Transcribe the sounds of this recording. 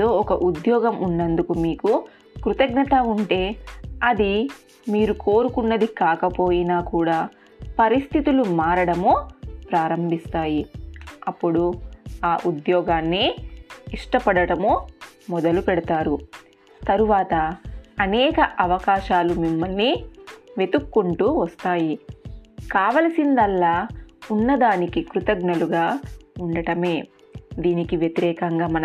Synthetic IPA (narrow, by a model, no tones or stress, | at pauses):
oːɔkɐʔud̪jɔːɡɐmunːɐnd̪ukumiːku | kɾut̪ɐɡnɐt̪ɐuɳʈe̞ːɐd̪i | miːɾukoːɾukunːɐd̪ikaːkɐpo̞ːjinaːkuːɽaː | pɐɾist̪ʰit̪ulumaːɾɐɽɐmoːpɾaːɾɐmbʱist̪aːjiɐpːuɽuaːʔud̪jɔːɡaːnːiiʂʈɐpɐɽɐɽɐmoːmɔd̪ɐlupɛɽɐt̪aːɾu | t̪ɐɾuʋaːt̪ɐɐnɛːkɐʔɐʋɐkaːʃaːlumimːɐlniʋe̞t̪ukːuɳʈuːʋɐst̪aːji | kaːʋɐlɐsind̪ɐlːaːunːɐd̪aːnikikɾut̪ɐɡnɐluɡaːuɳɖɐʈɐme̞ː | d̪iːnikiʋjɐt̪iɾɛːkɐŋɡaːmɐnɐ